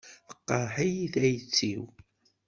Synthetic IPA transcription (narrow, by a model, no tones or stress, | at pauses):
fə̥qːɑħijθæjət͡sːiw